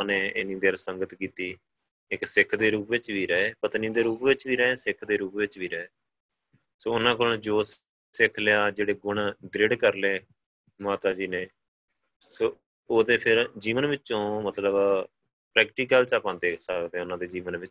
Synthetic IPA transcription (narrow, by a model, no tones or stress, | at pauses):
neːɪ̰nĩːd̪eːɾsəŋɡət̪kiːt̪iː | ɪksɪkʰd̪eːɾuːpʋɪt͡ʃʋiːɾəɦeːpət̪niːd̪eːɾuːpʋɪt͡ʃʋiːɾəɦẽːsɪkʰd̪eːɾuːpʋɪt͡ʃʋiːɾəeː | soːʊnãːkoɳd͡ʒoːs | sɪkʰljaːd͡ʒeːɽeːɡʊɳd̪ɾɪɖkəɾleː | maːt̪aːd͡ʒiːneː | soː | oːd̪eːpʰɪɾd͡ʒiːʋənʋɪt͡ʃõːmət̪ləb | pɾɛːkʈiːk̬əlt͡ʃaːpãːnd̪eːsəkd̪eːʊnãːd̪eːd͡ʒiːʋənʋɪt͡ʃ